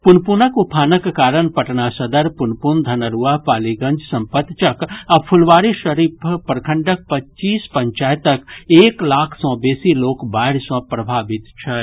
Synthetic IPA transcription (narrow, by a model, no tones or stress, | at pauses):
pʊnpunəkupʰaːnəkːaːɾənpɐʈnasɐd̪əɾpʊnpund̪ʱɐnəɾuapaːliɡə̃nd͡ʒsɐ̃mpət̪t͡ʃɐkɐb̚pʰʊlʋaːɾiʃɐɾiːppəɾkʰə̃ɳɖək̚pɐtːt͡ʃiːspə̃ɲt͡ʃaːjt̪əkeːklaːkʰsɔ̃ːbeːsiloːkbaːɪɽsɔ̃pɾɐbʱaːʋɪt̪t͡ʃʰɛ